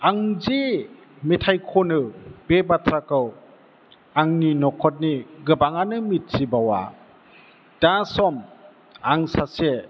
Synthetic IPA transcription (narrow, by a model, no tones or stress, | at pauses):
aŋzi | metʰajkʰɔnɯbebatʰɾakɯw | aŋninɔkʰɔt̚niɡɯbaŋanɯmit̚sibawa̰ | d̥asɔm | aŋsase